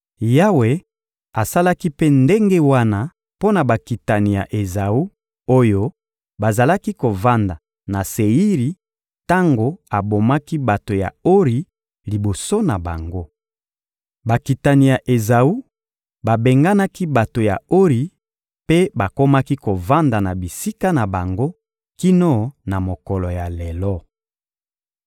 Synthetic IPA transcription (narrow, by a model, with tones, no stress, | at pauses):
ja˦we˨ | a˨sa˦la˦ki˦pe˦nde˦ŋɡe˦wa˦na˦ | po˦na˨ba˨ki˨ta˨ni˨ja̰˨ʔe˨za˨u˦ | o˦jo˦ | ba˨za˨la˦ki˦ko˨va˦nda˨ | na˨se˨i˦ʁi˨ | ta˦ŋɡo˦a˨bo˨ma˦ki˦ba˨to˨ja̰˨o˦ʁi˨˦ | li˨bo˨so˦na˨ba̰˨ŋɡo˦ | ba˨ki˨ta˨ni˨ja˨ʔe˨za˨u˦ | ba˨be˨ŋɡa˦na˦ki˦ba˨to˨ja̰˨o˦ʁi˨ | pe˦ba˨ko˦ma˦ki˦ko˨va˦nda˨na˨bi˨si˦ka˦na˨ba˨ŋɡo˦ | ki˦nɔ˦na˨mo˨kɔ˨lɔ˨ja˨lɛ˨lɔ˦